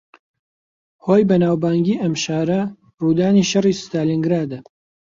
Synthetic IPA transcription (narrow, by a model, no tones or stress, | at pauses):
hoːjbɐnaːwbaːŋɡiːʔɐmʃaːɾɐ | ruːd̪aːniːʃɐriːst̪aːliŋɡɾaːd̪ɐ